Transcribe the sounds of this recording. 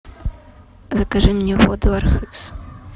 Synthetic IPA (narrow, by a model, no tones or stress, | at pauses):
zɐkaʐɨmnʲɛvɔd̪ʊarxɨks